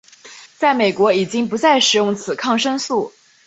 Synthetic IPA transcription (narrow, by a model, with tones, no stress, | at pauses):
t͡sa˥˩ɪme˨˩ɪkwɔ˧˥i˨˩t͡ɕi˥ŋpu˧˥t͡sa˥˩ɪʂɻ̩˨˩jʊ˥˩ŋt͡sʰɹ̩˨˩kʰɑ˥˧ŋʂɤ˥ŋsu˥˩